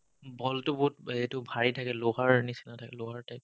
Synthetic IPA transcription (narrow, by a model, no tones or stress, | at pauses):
bɔltʊbɔɦut̚etʊbʱaɹitʰakɛlʊɦaɹnisinatʰakɛlʊɦaɹtʰak